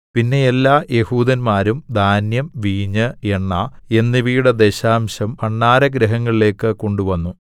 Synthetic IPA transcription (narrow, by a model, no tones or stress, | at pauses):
pinːe̞elːaːjehuːd̪ɐnmaːɾumd̪ʱaːnjɐmʋiːɲɐeɳːɐe̞nːiʋiːɽɐd̪e̞ɕaːmɕɐmɐɳːaːɾɐɡɾɐɦɐŋːɐɭile̞ːkːɨko̞ɳɖuʋɐnːu